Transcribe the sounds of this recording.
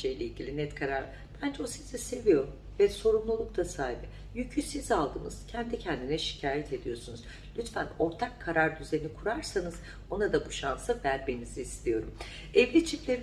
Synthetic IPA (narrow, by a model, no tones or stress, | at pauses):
ejlʲeilʲɟʲilʲinɛt̪kʰaɾaɾ | b̥ænd͡ʒɛosizɛse̞vijo̞ɾum | vɛso̞ɾumlˠulˠukt̪asaːibɯ | jycʰysizalˠd̪ɯmɯz̥cʰɛnd̪icʰɛnd̪inɛʃi̥cʰaːjɛt̪ʰe̞d̪ijo̞sunuz | lʲyt̪fæno̞ɾt̪ʰakʰːaɾaɾd̪yze̞nikʰuɾaɾsanɯz̥ | o̞nad̪abuʃansɯvæɾme̞niziːst̪ʰijo̞ɾum | ɛvlʲit͡ʃʰiclʲeɾ